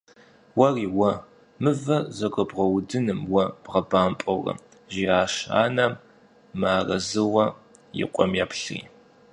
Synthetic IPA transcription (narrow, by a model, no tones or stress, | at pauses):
wɐriːwɐ | mɨvɐzɐɡʷɐbʁɐwdɨnɨmwɐb̥ʁɐbaːmpʼɐwrɐ̰ | ʒiːaːʃa̰ːnɐm | maːrɐzɨwɐ | jɪ̰qʷʼɔmjaːpɬrḭː